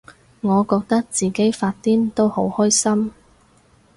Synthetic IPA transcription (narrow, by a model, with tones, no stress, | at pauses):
ŋɔː˨˧kɔː˧k̚t̪ɐ˥k̚t͡siː˨ke˨˥jfaː˧t̚t̪iː˥nt̪o˥who˨˥whɔː˥jsɐ˥m